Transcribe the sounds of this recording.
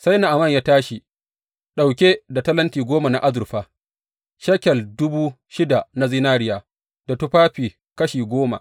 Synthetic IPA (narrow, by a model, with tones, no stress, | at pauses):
sa˦jna˨ʔa˨mɐ˦˨ɲjaː˦taː˦ʃi˨ | ɗa˨wkʲe˦da˨tɐ˦lɐ˦ntiː˨ɡʷoː˦ma˨na˨ʔa˦zʊ˨rɸaː˦ | ʃɐ˦kʲɛ˨ldʊ˦buː˦ | ʃɪ˦da˨na˦zi˦naː˦ɾɪ˦jaː˨ | d̥a˨tu˦ɸaː˦ɸiː˨ | kɐ˦ʃiː˨ɡʷoː˦ma̰˨ʔ